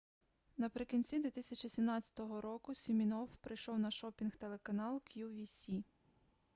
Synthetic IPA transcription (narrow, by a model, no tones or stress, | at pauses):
nɐpɾɪkʲinʲt͡sʲid̪ʋʲit̪ɪsʲɐt͡ʃʲisʲimnɑt͡sʲɐ̥t̪ɔɦɔɾɔkʊsʲimʲinɔwpɾɪjʃɔwnɐʃɔpʲinxt̪elˠekɐnɑlˠkjuʋʲisʲi